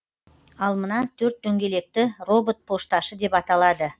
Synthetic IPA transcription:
ɑlˠmənɑt̪ʰɵɾt̪ːɵŋɡʲe̞le̞k̚t̪ɪro̞bot̪̚pʰo̞ʃt̪ɑʃəd̪e̞pɑt̪ɑlˠɑd̪ə

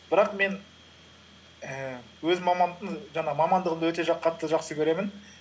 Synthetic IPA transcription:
b̥ɪɾɑqme̞n | ə | wɵzmɑmɑnd̪əɴʒɑɴɑmɑmɑnd̪əʁənd̪awɵt̪e̞ʒɑpqʰɑt̪ːəʒɑqsəkʲʰɵɾe̞mɪn

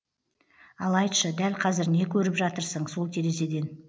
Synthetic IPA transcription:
ɑlˠɑjt̪ʃəd̪ælqʰɑzɪɾne̞kʲʰɵɾɪpʒɑt̪əɾsəɴso̞lˠt̪ʰe̞ɾe̞s̬e̞d̪e̞n

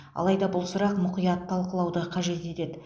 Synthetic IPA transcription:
ɑ̰lˠɑjd̪ɑbʊlˠsʊɾɑqmʊqijɑt̪ʰːɑlˠqəlˠɑwd̪əqʰɑʒe̞t̪e̞t̪e̞d̪ɪ

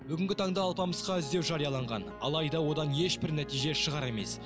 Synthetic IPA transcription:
bʏɡʲɪŋɡʲɪt̪ʰɑɴd̪ɑːlˠpɑməsqɑʏzd̪e̞wʒɑɾijɑlˠɑɴʁɑ̰nɑ̰lˠɑjd̪ɑwo̞d̪ɑnje̞ʃbɪɾnæt̪ijʒe̞ʃəʁɑɾe̞me̞̰s

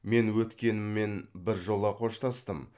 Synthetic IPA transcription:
me̞nwɵt̪kʲe̞nɪmːe̞nbɪɾʒo̞lˠɑqʰo̞ʃt̪ɑst̪əm

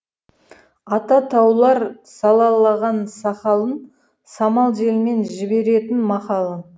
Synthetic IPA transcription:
ɑt̪ɑt̪ʰɑwlˠɑɾ | sɑlˠɑlˠɑʁɑnsɑqɑlˠən | sɑmɑlˠʒe̞lme̞nʒɪbe̞ɾe̞t̪ɪnmɑqɑlˠə

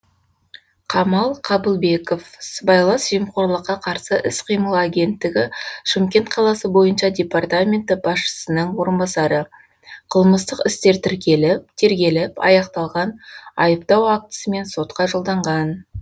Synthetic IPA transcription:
qʰɑmɑlˠqʰɑbəlˠbe̞ko̞fsəbɑjlˠɑsʒijmqo̞ɾlˠəqːɑqʰɑɾsəʔɪsqʰijməlˠaɡʲe̞nt̪ːɪɡʲɪʃɪmkʲe̞nt̪qʰɑlˠɑsəbo̞jənʃɑdʲe̞part̪amʲe̞nt̪ɪb̥ɑsʃə̥sənəɴwo̞ɾənbɑsɑɾə | qʰəlˠməst̪əqɪst̪e̞ɾt̪ʰɪɾkʲe̞lɪp̚t̪ʰe̞ɾɡʲe̞lɪpɑ̰jɑqt̪ɑlˠʁɑnɑjəp̚t̪ɑwak̚t̪ə̥səme̞nso̞t̪̚qɑʒolˠd̪ɑɴʁɑn

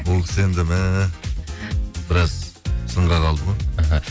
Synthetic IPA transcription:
bolˠkʲʰɪ̥se̞nd̪ɪmɪ | bɪɾɑz | səɴʁɑqʰɑlˠd̪əmɑaɦa

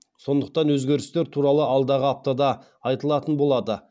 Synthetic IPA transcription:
so̞nd̪əq̚t̪ɑnwɵzɡʲe̞ɾɪst̪eɾt̪ʰuɾɑlˠəɑlˠd̪ɑʁəap̚t̪ɑd̪ɑ | ɑjt̪əlˠɑt̪ənbo̞lˠɑd̪ə

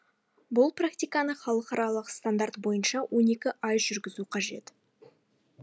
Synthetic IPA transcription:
bʊlˠprakt̪ijkanəχɑlˠəqɑɾɑlˠəqst̪and̪art̪bo̞jənʃɑwʔo̞ne̞kʲɪʔɑjʒʏɾɡʲɪzuqʰɑʒe̞̰t̪

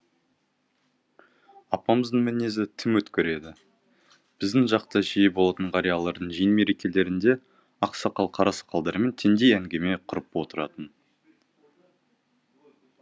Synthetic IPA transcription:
ɑpɑməzd̪əɴmænezɪt̪ʰɪmwɵt̪kʲɪɾe̞d̪ɪ | b̥ɪzd̪ɪŋʒɑqt̪əʒijebo̞lˠɑt̪əɴʁɑɾijɑlˠɑɾd̪əɴʒijnme̞ɾe̞kʲe̞le̞ɾɪnd̪e̞ | ɑqsɑqɑlˠqʰɑɾɑsɑ̥qʰɑlˠd̪ɑɾəme̞nt̪ʰe̞nd̪e̞jæŋɡʲe̞me̞qʰʊɾəpwo̞t̪əɾɑt̪ən

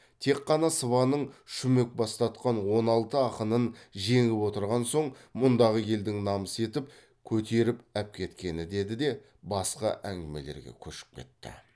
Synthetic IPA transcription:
t̪ʰe̞qːɑnɑsəvɑnəɴʃʏme̞k̚bɑst̪ɑt̪qɑnwo̞nɑlˠt̪əɑqənənʒe̞ŋɪpwo̞t̪əɾʁɑnso̞ɴmʊnd̪ɑʁəje̞ld̪ɪŋnɑməse̞t̪ɪp | kʲʰɵt̪e̞ɾɪpæp̚kʲʰe̞t̪kʲe̞nɪd̪e̞d̪ɪd̪e̞ | bɑsqɑ̰ʔæŋɡʲɪme̞̰le̞̰ɾɡʲḛkʲʰɵʃɪ̥p̚kʲʰe̞̰t̪ːɪ̰

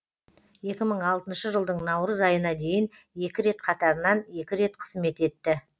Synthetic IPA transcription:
je̞kʲɪməɴɑlˠt̪ənʃəʒəlˠd̪əɴnɑwɾəzɑjənɑd̪e̞jɪn | je̞kʲɪɾe̞t̪qʰɑt̪ɑɾənɑne̞kʲɪɾe̞t̪̚qʰə̥zme̞t̪e̞t̪ːɪ

